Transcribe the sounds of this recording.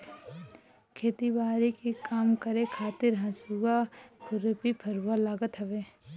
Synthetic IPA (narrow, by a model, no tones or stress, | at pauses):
kʰeːt̪ibaːɾikikaːmkəɾekʰaːt̪ɪɾɦɐ̃suɡapʰʊɾəpipʰɐɾuːalaːɡət̪ɦɐʋeː